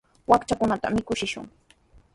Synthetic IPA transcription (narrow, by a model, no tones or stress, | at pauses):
wakt͡ʃakʊnat̪a̰mɪkʊʃɪʃʊ̰ŋ